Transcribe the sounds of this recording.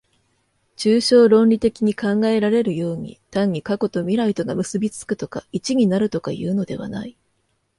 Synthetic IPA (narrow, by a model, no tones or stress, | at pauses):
t͡ɕɨːɕo̞ːɾõ̞nɾʲit̪e̞kʲiɲ̟ikãŋɡae̞ɾaɾe̞ɾɯ̟jo̞ːɲ̟ḭt̪ãɲ̟ːikako̞t̪o̞mʲiɾait̪o̞ɡamɯ̟sɨbʲit͡sɨ̥kɯ̟t̪o̞kait͡ɕiɲ̟inaɾɯ̟t̪o̞kajɯ̟ːno̞d̪e̞β̞a̰na̰i